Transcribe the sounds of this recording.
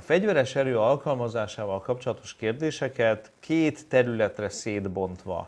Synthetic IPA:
ɒfɛɟvɛɾɛʃɛɾøːɒlkɒlmɒzaːʃaːvɒlkɒp̚t͡ʃo̞lɒt̪o̞̥ʃkeːrd̪eːʃɛkɛt̪ | kʰeːt̪ːɛɾylɛt̪rɛseːd̪bo̞nt̪ʋɒ̰

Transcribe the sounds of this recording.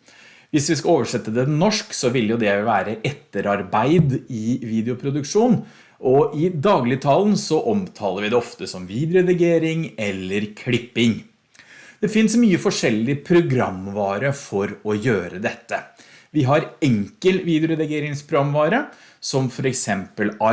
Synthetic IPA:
ʋɪsʋɪskɑoːʋəʂɛt̪ːəd̪ɛnɔʂksɔʋɪljʊd̪ɛʋæːɾəʔɛt̪ːəɾɑɾbæɪd̪ɪʋiːd̪ɛʊpʰɾʊd̪ʉkʂuːn | ʔɔʔɪd̪ɑːɡlɪt̪ʰɑːln̩sɔʔɔmt̪ʰɑːləɾʋɪd̪ɛɔft̪əsɔmʋiːd̪jʊɛd̪ɛɡeːɾɪŋɛlːəɾkʰɽɪpːɪŋ | d̪̥ɛfɪnsmyːəfɔʂɛlːɪpʰɾʊɡɾɑ̰mːʋɑːɾəfɔɾɔjøːɾəd̪ɛt̪ːə | ʋɪɦɑɾɛŋkəlʋiːd̪ɪʊɾɛd̪ɪɡeːɾɪŋspʰɾʊɡɑmːʋɑːɾə | sɔmfɔɾɛksɛmpəlɑ

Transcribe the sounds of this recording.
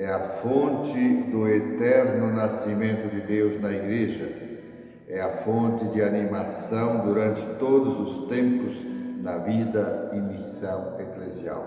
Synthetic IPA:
ɛafõnt̪ɪd̪ʊet̪ɛɾnʊnasimẽnt̪ʊd̪ɪd̪ewznɐiɡɾeʒɐ | ɛafõnt̪ɪd̪ɪanimasɐ̃w̃d̪uɾãnt̪ɪt̪od̪ʊzʊst̪ẽmpʊznɐvid̪ɐimisãw̃eklezja̰w

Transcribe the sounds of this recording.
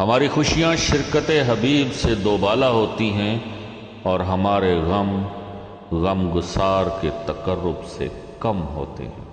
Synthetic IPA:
ɦɐmaːɾixʊʃijãʃɪɾkət̪eɦɐbiːbsed̪oːbaːlaɦoːt̪iɦɛ̃ | ɔːɾɦɐmaːɾeɣɐm | ɣɐmɡʊsaːɾket̪ɐkəɾːʊbsḛ | kɐmɦo̰ːt̪ḛɦɛ̃ː

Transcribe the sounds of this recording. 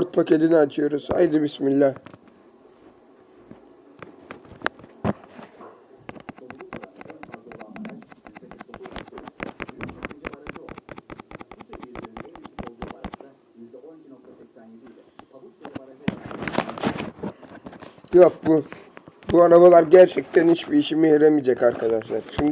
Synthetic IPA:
ɾt̪̚pʰakʰed̪iniat͡ʃʰɯjo̞ɾuz̥ha̰jd̪ɯbismilʲːɛ | jokb | buaɾaβalˠaɾɟæɾt͡ʃʰɛct̪ʰæniʃbiiʃimihiɾemid͡ʒakaɾkʰad̪aʃlˠaɾ̥t͡ʃʰyn

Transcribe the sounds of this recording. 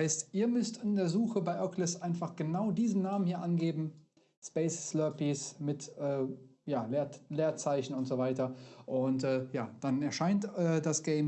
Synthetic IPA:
aɪstʔiːɐmʏstɪndeːɐzuːxəbaɪʔœklɪsʔaɪnfaχɡ̥ənaʊdiːzn̩naːmənhiːɐʔanɡeːbm̩ | spɛɪsːlœpismɪtʔɛːjaːleːɐleːɐt͡saɪçn̩ʊntz̥oːvaɪtɐʔʊntɛːjaːd̥anɛɐʃaɪntɛːdasɡ̥ɛɪm

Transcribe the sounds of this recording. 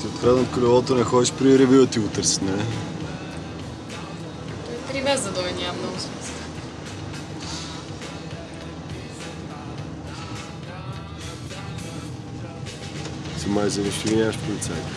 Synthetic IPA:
t̪iot̪kɾad̪nət̪kəlɛvɔt̪onɛxɔd̪iʃpɾiɾɛvʲuət̪iɡʊt̪ɤɾsi̥t̪nɐlɛ | t̪ɔjpɾivɛzd̪ɐd̪ɔɛnʲamnɔɡʊsmist̪ | sɐmazəɾɐʃivinʲaʃpolit̪saj̪

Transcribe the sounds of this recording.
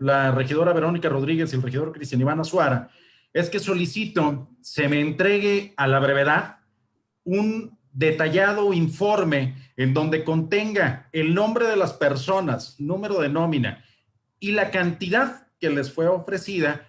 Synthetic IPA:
lare̞xið̞o̞ɾaβe̞ɾo̞nikaro̞ð̞ɾiɣe̞sielrexiðo̞ɾkɾist̪janiβanaswaɾa | e̞ske̞so̞lisit̪o̞ | se̞me̞ːnt̪ɾe̞ɣe̞alaβɾe̞β̞e̞ðað | un | d̪e̞t̪aʝað̞o̞iɱfo̞ɾme̞ːnd̪o̞nd̪e̞ko̞nt̪e̞ŋɡaelnõ̞mbɾe̞ð̞e̞laspe̞ɾso̞nasnũme̞ɾo̞ðe̞no̞mĩna̰ | ilakant̪iðaðke̞le̞sfwe̞o̞fɾe̞siða

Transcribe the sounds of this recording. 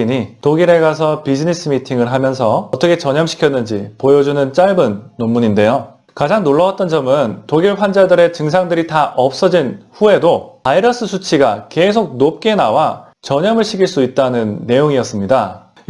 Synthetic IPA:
ɲitoɡiɾe̞ɡas̬ʰʌpid͡ʑinis͈ʰɯmitʰiŋɯɭɦamjʌns̬ʰʌʌt͈ʌkʰe̞t͡ɕʌɲʌmɕʰi̥kʰjʌnːɯnd͡ʑipojʌd͡ʑunɯnt͡ɕ͈aɭbɯnːomːuɲinde̞jo | kad͡ʑaŋnoɭːʌat̚t͈ʌnd͡ʑʌmɯntoɡiɭpʰwand͡ʑadɯɾe̞t͡ɕɯŋs̬ʰaŋdɯɾitaʔʌp̚s͈ʌd͡ʑinɸue̞dopaiɾʌs͈ɯsʰut͡ɕʰiɡake̞s̬ʰok̚nop̚k͈e̞nawa | t͡ɕʌɲʌmɯɭɕʰiɡʰiɭs͈uit̚t͈anɯnːe̞joŋiʌs͈ɯmɲida

